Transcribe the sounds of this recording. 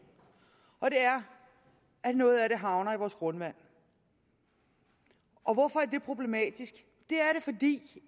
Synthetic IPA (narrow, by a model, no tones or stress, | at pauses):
ʔɒ̽d̥e̝æɐ | æ̥nɔ̽ːð̞̩ˠæɾe̝ɦɑ̈ʊnɐiʋɒːsɡ̥ʁɔ̽nʋæn̰ | ʔɒ̽ʋɒfɒ̽æɐd̥e̝pʰʁo̝b̥le̝mɛ̰ːd̥isɡ̥ | d̥e̝æɐɾe̝fɒ̽d̥ḭː